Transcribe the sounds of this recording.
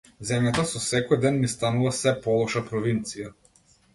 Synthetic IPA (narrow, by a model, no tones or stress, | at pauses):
zɛmjat̪asɔsɛkɔjd̪ɛnːist̪anuvasɛpɔlˠɔʃapɾɔvint̪sija